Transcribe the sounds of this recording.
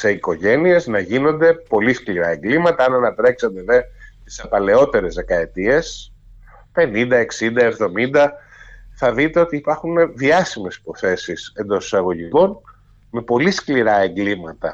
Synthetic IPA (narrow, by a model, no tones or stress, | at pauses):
se̞iko̞ʝe̞nie̞znɐʝino̞nd̪e̞po̞liskliɾɐe̞ŋɡlimɐt̪ɐɐnɐnɐt̪ɾe̞ksɐnd̪eðet̪i̥sɐpɐle̞o̞t̪e̞ɾe̞zðekɐe̞t̪ie̞s | pe̞nind̪ɐe̞ksind̪ɐe̞vðo̞mind̪ɐ | θɐðit̪e̞o̞t̪iːpɐɾxunðiɐsime̞si̥po̞θe̞sise̞nd̪o̞si̥sɐɣo̞ʝiko̞n | me̞po̞liskliɾɐe̞ŋɡlimɐt̪ɐ